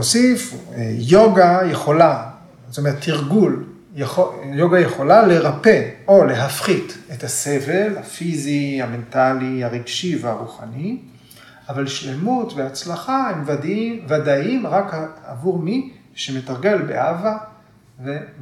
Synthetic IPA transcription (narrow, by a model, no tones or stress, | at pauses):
osifejoɡajeχo̞la | tomet̪ʰːiʁɡul | jojoɡajeχo̞lale̞ʁape̞o̞le̞ɦafχitetaseve̞lhafiziame̞ntaliaʁiɡʃiveaʁuχani | avalʃle̞mutveat͡slaχahemvadvadaimʁaka̰vuʁmi | ʃemetaʁɡe̞lbḛʔava | ve